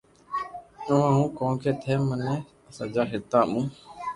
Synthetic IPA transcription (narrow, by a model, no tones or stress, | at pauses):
nəʋãːɦũːkõːkʰeːt̪ʰeːmənẽː | əsãːd͡ʒaːɦɪt̪ːãːɓũː